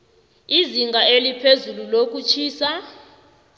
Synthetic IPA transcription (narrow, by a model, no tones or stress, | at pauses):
iziŋɡʱaelipʰezululok̬ʼut͡ʃʰiːsa